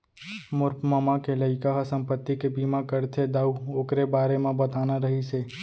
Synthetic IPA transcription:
mʊɾpmɐmakeləɪkaɦsɐ̃mpət̪ːikebiːmakɐɾt̪ʰed̪aːuoːkɾebaːɾemẽbɐt̪aːnaɾɐɦiseː

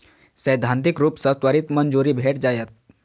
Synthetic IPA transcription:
səjd̪ʱant̪ikɾuːpsət̪ʋaɾit̪mənd͡zuɾiːbʱeʈd͡zajət̪̚

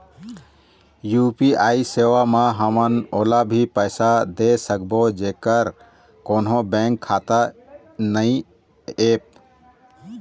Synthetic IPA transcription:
jupiaisewamãɦəmənoːlabʱipəɪsad̪esək̚bod͡ʒekəɾ | konɦõbɛ̃ŋkʰːat̪a | nəi | ep̚

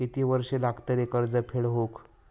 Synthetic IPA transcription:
et̪iʋəɾʂelaɡt̪əɾekəɾd͡zəpʰeɭɦok

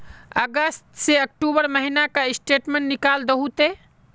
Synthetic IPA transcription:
əɡəst̪seək̚ʈubəɾməɦinakaisʈeʈmẽɳʈnikald̪əɦut̪e

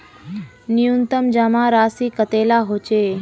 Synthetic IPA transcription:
nijunt̪əmd͡ʒamãɾaːsikət̪elaɦot͡ʃe

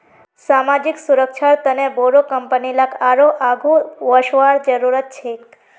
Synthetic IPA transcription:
samad͡ʒiksuɾəkʃʰaɾt̪əneboɾokəmpənilakʰaɾoʔaɡʱuʋəʃʋaɽd͡ʒəɾuɾət̪̚t͡ʃʰek

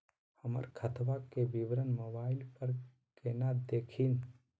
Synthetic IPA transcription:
həmə̰ɾkʰət̪ʰʋakebiʋɾənmoːbaːɪlpəɾ | keːnad̪eːkʰin

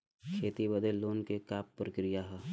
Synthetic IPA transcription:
kʰeːt̪ibəd̪eloːnkekaːpːɾəkɾijaɦɛ

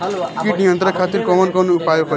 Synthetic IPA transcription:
kiʈ̚nijʌnt̪ɾʌkʰat̪irkʌmʌnkʌnuupajokʰʌ

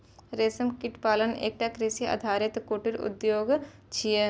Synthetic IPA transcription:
ɾeːsɐmkɪʈpaːlənḛːk̚ʈakɾisiɐ̰d̪ʱaːɾɪt̪koːʈiɾʊ̰d̪joːɡt͡ʃʰije

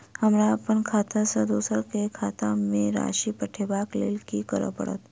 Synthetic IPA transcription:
həmɾapəɳkʰat̪asəd̪usəɾkekʰat̪amẽɾa̰ʃipəʈʰebaklḛlkikəɾə̰pə̰ɽə̰t̪

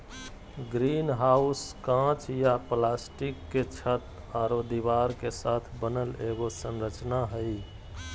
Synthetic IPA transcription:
ɡɾinɦauskãt͡ʃjaplasʈikːet͡ʃʰət̪ | aɾod̪iʋaɾkesat̪ʰbənəleɡosə̃nɾət͡ʃnaɦəj

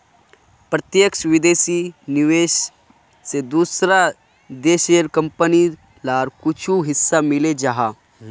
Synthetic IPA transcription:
pɾət̪jəkʃʋɪd̪eːsinɪʋeːʃ | sed̪uːsɾa | d̪eːʃeːɾkə̃mpəni | laːɾkʊt͡ʃʰuɦɪsːamɪled͡ʒaɦaː

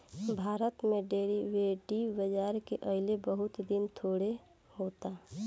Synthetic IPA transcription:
bʱaːɾət̪mẽɖeɾiʋeːɖibəd͡ʒaːɾkeʔəɦɪlebəɦʊt̪d̪ɪnt̪ʰoːɽe | hot̪a

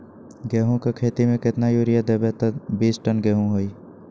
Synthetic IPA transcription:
ɡɛːɦõkekʰeːt̪imẽkɪt̪najoːɾɪjad̪ebɛt̪əbiːsʈənɡɛːɦũɦoːiː

